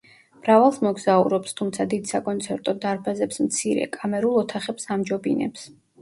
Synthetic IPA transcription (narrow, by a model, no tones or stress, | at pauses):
mɾavalˠsmɔɡzaṵɾɔpst̪ʰumt̪sʰad̪id̪sakʼɔnt̪sʰɛɾt̪ʼɔd̪aɾbazɛpsmt̪sʰiɾɛ̰kʼamɛɾulˠɔt̪ʰaχɛpsamd͡ʒɔbinɛ̰ps